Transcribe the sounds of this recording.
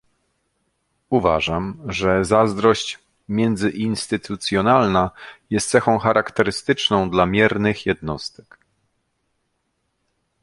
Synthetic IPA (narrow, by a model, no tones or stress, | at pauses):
uva̰ʐamʐɛzazd̪ɾɔɕt͡ɕ | mʲjɛnd̪zɘʔinst̪ɘt̪ut̪sʲjɔnalnajɛst̪sɛxɔ̃w̃xaɾʔakt̪ɛɾɘst̪ɘt͡ʂnɔ̃w̃d̪lamʲjɛɾnɘxjɛd̪nɔst̪ɛk